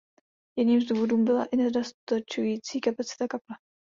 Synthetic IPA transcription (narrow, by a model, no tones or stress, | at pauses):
jɛdɲiːmzd̪uːvo̞duːmbɪla̰ʔɪnɛdost̪at͡ʃujiːt͡siːkapat͡sɪ̥t̪akapla